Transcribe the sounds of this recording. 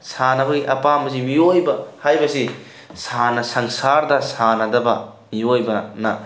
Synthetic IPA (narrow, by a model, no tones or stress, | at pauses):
sanɐbɐɡiʔɐpambɐsimiojbɐhajbɐsi | sanɐsɐŋsaɾdɐsanɐdɐbɐ̰ | miojbɐnɐ